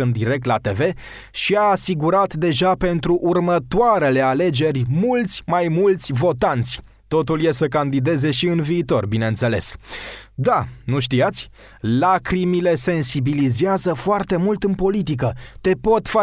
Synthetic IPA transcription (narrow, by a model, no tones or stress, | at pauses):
ɨnd̪iɾe̞k̚t̪lat̪e̞ve̞ | ʃiaːsiɡuɾat̪d̪e̞ʒape̞nt̪ɾuʔurmət̪oaɾe̞le̞ale̞d͡ʒe̞rʲmult̪sʲmajmult̪sʲvo̞t̪ant̪sʲ | t̪o̞t̪ulje̞səkand̪id̪e̞ze̞ʃiɨnviːt̪o̞rbineɨnt̪se̞le̞̰s | d̪anuʃ̬t̪iat̪sʲ | lakɾimile̞se̞nsibilizeazəfoart̪e̞mult̪ɨnpo̞lit̪̬ikət̪e̞po̞t̪fa